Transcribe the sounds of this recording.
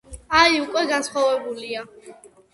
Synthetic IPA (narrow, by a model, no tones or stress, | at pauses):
aiukʼwɛɡansχwavɛbulia